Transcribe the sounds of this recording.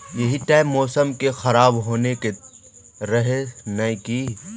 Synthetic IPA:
jɐɦiʈaːɪmːɔːsəmkexɐɾaːbɦoːneke | ɾɐɦenɐĩki

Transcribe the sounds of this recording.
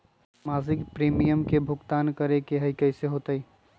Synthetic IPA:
maːzɪkpɾiːmijəmkebʱʊɡt̪aːnkəɾekeɦəikəɪseɦoːt̪əi

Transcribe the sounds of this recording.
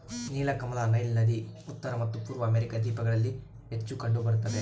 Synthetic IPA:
niːlɐkɐmɐlaːnɐjlnɐd̪iut̪ːɐɾɐmɐt̪ːupuːɾʋɐːmeɾikad̪iːpɐɡɐɭɐlːi | ɦe̞t͡ʃːukɐɳɖubɐɾut̪ːɐd̪e

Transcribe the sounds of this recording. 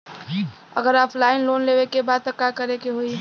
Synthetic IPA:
ə̰ɡəɾaːpʰlaɪnlonlewekebad̪̚t̪əkːakəɾekeɦoi

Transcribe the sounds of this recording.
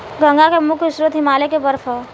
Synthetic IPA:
ɡʱə̃ŋɡakemʊkʰɪsɾət̪ɦɪmaːlekebəɾfʰə

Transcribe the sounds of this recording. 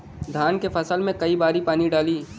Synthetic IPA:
d̪ʱaːnkefʰɐsəlmẽkɐibaːɾipaːniɖaːliː

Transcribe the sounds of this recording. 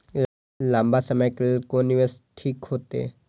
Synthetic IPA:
lãːmbasəməjkelkoniʋəsʈʰiːkɦoːt̪ḛː

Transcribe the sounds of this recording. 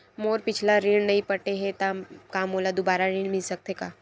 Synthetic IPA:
moːɾpɪt͡ʃʰlaɾiɽnəĩpəʈeɦẽt̪akaːmoːlad̪ʊbaːɾaɾĩːɳmɪlsək̚t̪ekaː

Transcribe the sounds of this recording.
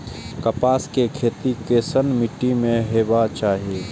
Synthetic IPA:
kəpaːskekʰeːt̪ikesənmɪʈːimẽɦeːbat͡ʃaːɦieː

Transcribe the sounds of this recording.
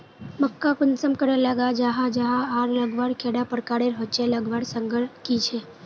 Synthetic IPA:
məkːakunsəmkəɾelaɡad͡ʒaɦad͡ʒaɦaaɾləɡʋaɽkʰeɽapəɾkaɽeɾɦət͡ʃeləɡʋaɽsəŋɡəɭkit͡ʃʰe

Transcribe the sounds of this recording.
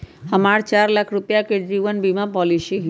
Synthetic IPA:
əmaɾt͡ʃaɾlakʰɾupjakeɖɾiʋənbimapɔlisiɦ

